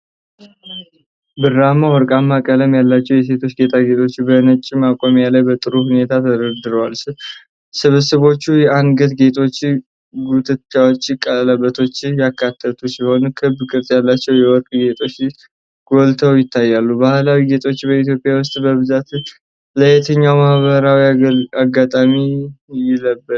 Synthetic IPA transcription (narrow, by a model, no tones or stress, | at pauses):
bɨramawɔɾkʼamːakʼələmjalːat͡ʃːɛwjɛse̞t̪ʰo̞t͡ʃːɡe̞t̪ʰaɡe̞t̪ʰo̞t͡ʃːbənət͡ʃʼːɪmakʼo̞mjalajbət̪ʼɨɾuhune̞t̪ʰat̪ʰəd̪əɾd̪ɨɾəwalsɪ | sɨβəsəβo̞t͡ʃːujɛʔanɡət̪ɡe̞t̪ʰo̞t͡ʃː | ɡut̪ʰʼɨt͡ʃːawot͡ʃːɪkʼələbːət̪ʰo̞t͡ʃːjakʰːat̪ʰːət̪ʰusɪlho̞nəkʰɨbkʼɨɾt̪ʼjalːat͡ʃːɛwjɛwɔkʼɡe̞t̪ʰo̞t͡ʃː | ɡ̥o̞lt̪ʰəwjɪt̪ʰːajːalːubahlawiɡe̞t̪ʰʼo̞t͡ʃːbəit̪jo̞pʼjawʊst̪ʼbəβɨzat̪ | ləjɛt̪ʰəɲːawmahβəɾawiaɡːat̪ʼamijɪləbːə